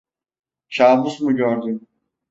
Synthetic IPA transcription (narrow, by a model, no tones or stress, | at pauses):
ʃʰaːmusmuɟøɾd̪ym